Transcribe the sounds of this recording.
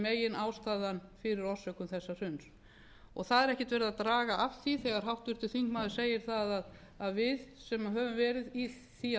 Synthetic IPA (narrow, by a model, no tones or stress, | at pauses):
meːjɪnaːwst̪aːðanfɪɾɪɾɔsœkʏmθɛsːar̥ʏns | ɔɣθaðɛɾɛhcɪt̪vɛɾðat̪ɾaːɣaʔafθiθɛɣaɾ̥ɦawht̪ʏɾ̥t̪ɪθiŋkmaːðʏɾ̥seːjɪɾ̥θaðað | aðvɪðsɛmɦœːvʏmvɛːɾɪði | θia